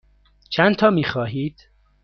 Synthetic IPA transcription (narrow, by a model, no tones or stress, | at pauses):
t͡ʃʰænt̪ʰɒːmiːxɒːɦiːd̪̥